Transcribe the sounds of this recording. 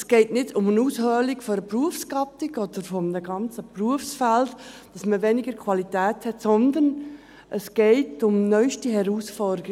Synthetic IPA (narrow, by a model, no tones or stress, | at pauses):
sɡ̥ɛɪtnɪdʊmənuːshœːlikfoɾəpruəfsɡɑtɪɡɔd̥̪əɾfɔmdəɡɑnt͡səpruəfsfæltd̥ɑsməʋɛnɪɡ̥əɾkʰwɑlitɛːthɛtsɔnd̪ən | ʔəsɡ̥ɛɪtʊmnœʏʃtiɦɛɾuːsfɔɾdəɾi